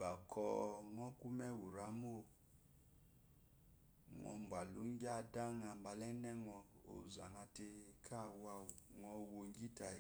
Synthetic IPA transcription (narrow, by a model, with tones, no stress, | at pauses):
ba˨kʰɔ˧˦ŋɔ˦ku˦mɛ˦wu˨ɾa˨˦mo˦˨ | ŋɔ̰˧mba˨lṵ˨˦ŋ˦ɡʲa˦˨da˦ŋa˧˨mba˧lɛ˦nɛ˦ŋɔ˧o̰˨za˨ŋa˧te˧kʰa˦˨wa˧ŋɔ˧wo˧ŋ˦ɡi˦ta˧˦